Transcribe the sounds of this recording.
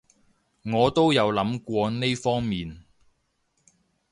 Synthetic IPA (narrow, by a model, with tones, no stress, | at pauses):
ŋɔː˨˧t̪o˥wjɐ˨˧wlɐ˨˥mkʷɔː˧ne˥jfɔː˥ŋmiː˨n